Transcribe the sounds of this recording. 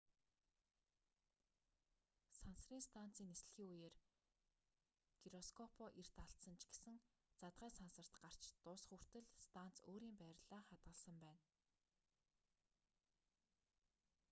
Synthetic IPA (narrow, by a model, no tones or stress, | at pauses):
sansriːŋst̪ʰan̥t͡siːnːesɮxiːŋujeːr | ɡ̥iɾɔskʰɔpʰɔʔir̥t̪aɬsə̆nt͡ɕʰɡ̥e̥sɘ̆ŋ | t͡sat̪̚ʁæːsansə̆r̥t̪ɢar̥t͡ɕt̪ʊsχur̥t̪ɘ̆ɮst̪ʰan̥t͡soːɾiːmpæːɾɮaːχat̪ɢə̆ɮsə̆mpæːn